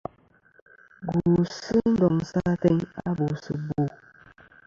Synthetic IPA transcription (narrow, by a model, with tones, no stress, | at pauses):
ɡu˨sɨ˦n̩˦dɔ˨ŋ˨sa˦tɛ˦ŋa̰˦bo˨sɨ˨bu˦˨